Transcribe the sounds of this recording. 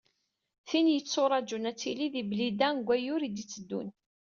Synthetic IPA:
θinjət͡sːoɾˤɑd͡ʒunæt͡sːiliðiblid̪ænɡʷæjʊɾid̪it͡sːəd̪ːṵn

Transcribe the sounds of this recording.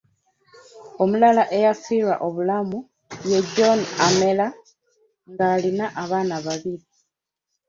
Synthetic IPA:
o̞mulalaʔe̞jasilwa̰ʔo̞βulamu | je̞ɟːo̞name̞la | ŋɡaːlinaʔaβaːnaβaβili

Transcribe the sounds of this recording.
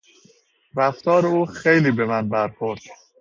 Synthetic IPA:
ɾæft̪ʰɒːɾe̞uːxejliːbe̞mænbæɾxoɾd̪̥

